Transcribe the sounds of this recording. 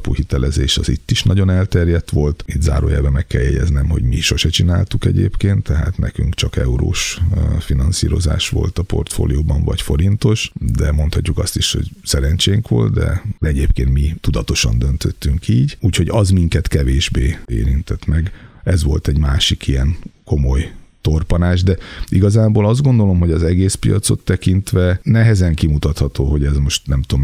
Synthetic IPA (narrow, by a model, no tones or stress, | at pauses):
puhit̪ɛlɛzeːʃɒzit̪ːiʃnɒɟo̞nɛlt̪ɛrjɛt̪ʋo̞lt̪it̪za̰ːɾo̰ːjaːbɛmɛkːɛljɛɟɛ̰znɛmho̞̰ɟmiʃo̞ʃɛt͡ʃinaːlt̪ukɛɟeːpkeːnt̪ʰːɛɦa̰ːt̪nʔɛkyŋkt͡ʃɒkɛuɾo̰ːʃfinɒnsiːɾo̞za̰ːʃʋo̞̰lt̪ɒpo̞rt̪fo̰ːlijoːbɒɱvɒcfo̞ɾint̪o̞ʃd̪ɛmo̞nt̪hɒcːukɒst̪iʃho̞̰ɟsɛɾɛnt͡ʃeːŋkʋo̞̰lt̪d̪ɛ̰d̪ɛɛɟeːpkeːnt̪mit̪ud̪ɒt̪o̞ʃɒ̰nd̪ø̞nt̪ʰøt̪ːyŋkʰiːɟuːcho̞ɟɒzmiŋkɛt̪kɛveːʒbeːḛːɾint̪ɛt̪mɛɡɛzʋo̞̰lt̪ɛɟmaːʃikijɛnko̞mo̞jt̪o̞rpɒnaːʒd̪ɛiɡɒzaːboːlɒzd̪ɡo̞nd̪o̞lo̞mɦo̞ɟɒzɛɡeːspijɒ̰t̪so̞̰t̪ːɛkint̪ʋɛnɛɦɛzɛŋkimut̪ɒt̪hɒt̪oːɦo̞ɟɛzmo̞ʃt̪nɛmt̪om